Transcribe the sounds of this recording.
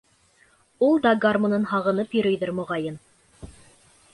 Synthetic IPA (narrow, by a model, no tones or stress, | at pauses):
ulˠd̪ɑɡarmŏnɤnɦɑʁɤ̆nɤpjɵ̆ɾɵ̆jðɘɾmŏʁɑjɤn